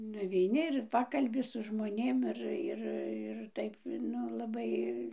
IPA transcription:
nʊʋʲɛɪˈnʲɪ ɪr ˈpɑːkɐlʲbʲɪ sʊ ʒmoːˈnʲeːm ˈɪr ˈɪr ɪr ˈtɐɪp ˈnʊ lˠɐˈbɐɪ

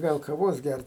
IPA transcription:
ˈɡɐlˠ kɐˈʋoːs ˈɡʲært

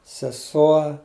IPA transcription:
sʲɛˈsuɔ

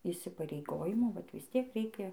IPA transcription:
iːsʲɪpɐrʲɛɪˈɡoːjɪmuː ˈʋɐt ʋʲɪsʲˈtʲiɛk ˈrʲɛɪkʲɛ

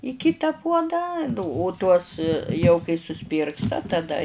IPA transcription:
ɪ ˈkʲɪtɐ ˈpuɔdɑː nʊ oː tuɔs jɛʊ kɐɪ sʊˈsʊsʲpʲiːrkstɐ tɐˈdɐ

